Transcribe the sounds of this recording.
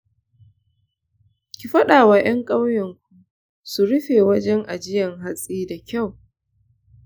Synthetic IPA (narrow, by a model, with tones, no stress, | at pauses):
kʲi˨ɸɐ˦ɗaː˨waː˨j̰ʔɐ˦ŋkʼa˦wjɐ˨ŋkʷu˨ | su˨ɽʊ˦ɸeː˨wɐ˦d͡ʒɛ˦ŋʔa˨d͡ʒɪ˦jɐ˨ŋɦa˦sʼiː˦da˨kʲa˦˨w